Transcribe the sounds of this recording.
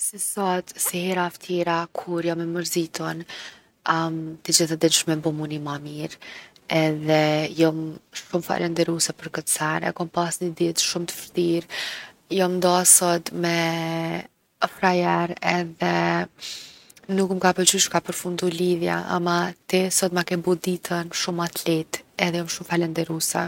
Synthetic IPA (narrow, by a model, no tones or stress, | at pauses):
sisɔt̪sihɛɾaft̪ʰjɛɾakʰuɾjɔmɛməɾzit̪ɔn | mt̪əd͡ʑiθad̪ɛnʃmɛbumunimamiɾɛðɛjɔmʃumfa̰lɛnd̪ɛɾusɛpəɾkət̪sɛnɛ̰kɔmpasnəd̪it̪ʃumt̪ə̥fət̪iɾ | jɔmnd̪ɔsɔt̪mɛ | fɾajɛɾɛðɛ | nukmkapət͡ʃyʃkapəɾfund̪uliðja̰ʔa̰mat̪ɛsɔt̪̚makɛbud̪it̪ʰənʃumat̪lɛt̪ɛðɛjɔmʃumfalɛnd̪ɛɾusɛ